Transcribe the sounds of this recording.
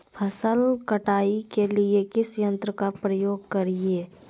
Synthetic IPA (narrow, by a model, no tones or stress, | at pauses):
pʰəsəlkəʈaːikeliekɪsjə̃nt̪ɾəkapɾəjoːɡkɐɾieː